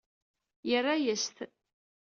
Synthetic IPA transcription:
jərːajəst̪

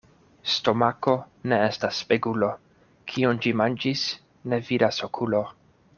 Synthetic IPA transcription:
sto̞mako̞ | ne̞e̞stasːpeɡulo̞ | kʰiond͡ʒimand͡ʒis | ne̞viɾasokʰulo̞

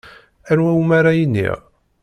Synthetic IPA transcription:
ænwæwmaɾajənːḭʁ

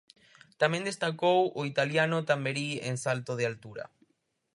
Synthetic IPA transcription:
t̪amẽnd̪est̪akowoit̪aljanot̪ambeɾiḛŋsalt̪oð̞ɪalt̪uɾa̰

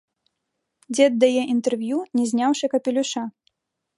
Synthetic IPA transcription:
d͡zʲɛɐd̪ːajɛʔint̪ɛrvjunʲɛzʲnʲawʂɐkɐpʲɪlʲuʂa

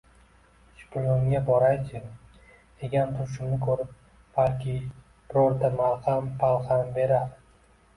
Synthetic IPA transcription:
ʃʊ̥kʲʰʊloŋɡʲabɒɾajt͡ʃʰɪ | d̪̥e̞ɡʲant̪ʰʊɾʃ̬ɪmnɪkʰɵɾɪp̚ | b̥alkʲʰɪ | b̥ɪɾɒɾt̪ʰamalhampʰalˠχanbe̞ɾad̪

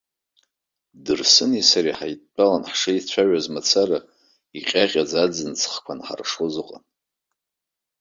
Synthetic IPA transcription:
dɨrsɨnisaɾiħajtʼt͡pʼalanħʂait͡ɕʷʰaʒazmat͡sʰara | iqʲʼaqʲʼad͡zad͡zɨnt͡sʰʼχkʷʰanħa̰rʂozɨqʼa̰n

